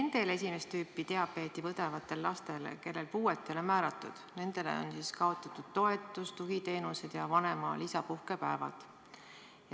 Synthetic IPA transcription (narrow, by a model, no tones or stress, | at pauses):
nend̪̥e̞le̞s̬ʲime̞st̪yːpːˑit̪e̞ɑpːˑe̞ːt̪ːivɤd̪evɑt̪ːˑe̞lːɑst̪e̞lke̞lːe̞lpuːe̞t̪ːˑe̞lomæːɾɑt̪ˑːṵd̪̥ne̞nd̪e̞lḛo̰nsiːskɑo̞t̪ːˑɑt̪ːˑud̪̥̚t̪o̞e̞t̪ːˑust̪uɡit̪e̞ːnuse̞d̪̥jɑvɑne̞mɑlisɑpuhke̞pæevɑ̰d̪̥ | j